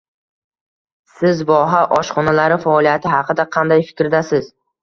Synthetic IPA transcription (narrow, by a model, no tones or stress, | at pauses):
sɪzvɒɦaʔɒʃχɒnalaɾɪfaɒlijat̪ʰɪɦɑqʰɨd̪aqʰɑnd̪ajfɪ̥kʲɾɪd̪asɪz̥